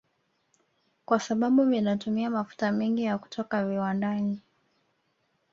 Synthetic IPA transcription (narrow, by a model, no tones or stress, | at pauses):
kwasaɓaɓuminatumiamafu̥tamɛŋɡijaku̥tʰɔkaviwandani